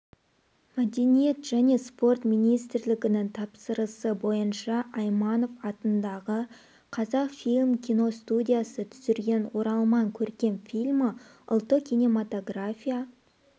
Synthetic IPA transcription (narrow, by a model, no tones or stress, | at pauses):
mæd̪e̞nije̞t̪ʒ̥æne̞spo̞rt̪mijnijst̪ɾlɪɡʲɪnɪŋt̪ʰɑpsəɾəsəbo̞jənʃɑʔɑjmɑno̞fɑt̪ənd̪ɑʁə | qʰɑzɑqfijlʲmkʲʰijno̞st̪ud̪ʲijasət̪ʰʏ̥zɪɾɡʲe̞nwo̞ɾɑlˠmɑŋkʲʰɵɾkʲe̞nfʲilʲmə | ʊ̰lˠt̪ːəkʲʰijnemat̪o̞ɡrafʲija